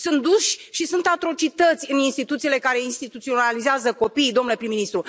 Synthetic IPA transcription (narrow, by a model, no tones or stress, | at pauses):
sunt̪̚d̪uʃʲʃisunt̪at̪ɾo̞t͡ʃit̪ət̪sʲɨninst̪it̪ut̪siːle̞kaɾe̞inst̪it̪ut̪sionalizeazəko̞pijd̪o̞mnule̞pɾimːinist̪ɾu